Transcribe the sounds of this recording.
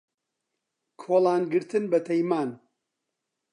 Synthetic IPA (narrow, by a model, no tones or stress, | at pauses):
kʰoːlˠaːnɡɨɾt̪ʰɨnbɐt̪ʰɐjmaːn